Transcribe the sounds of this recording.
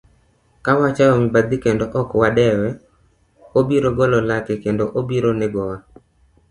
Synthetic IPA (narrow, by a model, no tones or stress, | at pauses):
kawat͡ʃaɔmibad̪ikendoʔɔkwadɛwɛ | obiɾoɡɔlɔlakɪkendoʔobiɾonɛɡɔwa